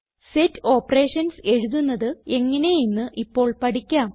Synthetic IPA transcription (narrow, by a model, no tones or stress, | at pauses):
setːo̞ːpːɐreːʂɐnse̞ɻuðunːɐðɨe̞ŋːɐne̞jinːɨʔipːo̞ːɭpɐʈikʲːaːm